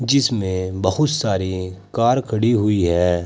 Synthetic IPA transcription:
d͡ʒɪsmẽbɐhʊt̪saːɾikaːɾkʰɐɽiɦʊiɦɛː

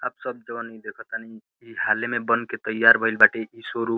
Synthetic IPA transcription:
a̰ːpsʌb̚d͡ʒəanid̪ekʰɔt̪ani | iɦalemebənket̪əjːaɾbʱəilbaʈeisoɾu

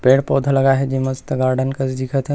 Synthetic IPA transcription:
peːɽpoːd̪ʱləɡaɦɛd͡ʒiməst̪əɡaɾɖənkəsd̪ikʰət̪ʰɦɛ

